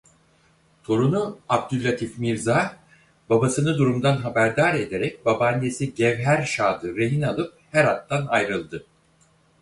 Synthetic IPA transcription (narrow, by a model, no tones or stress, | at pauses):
t̪ʰo̞ɾunuab̚d̪ylʲːat̪ʰifmiɾza | babasɯnɯd̪uɾumd̪anɦabæɾd̪aːɾe̞d̪e̞ɾɛc̚babanesiɟɛvɦæɾʃaːd̪ɯɾe̞ɦinalˠɯp̚hæɾat̪ːanajɾɯlˠd̪ɯ